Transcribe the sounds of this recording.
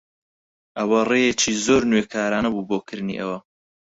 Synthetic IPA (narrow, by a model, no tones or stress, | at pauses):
ʔɐwɐrejet͡ʃʰizoːɾnwekʰaːɾaːnɐbuːbokʰɨɾnḭːʔɐ̰wɐ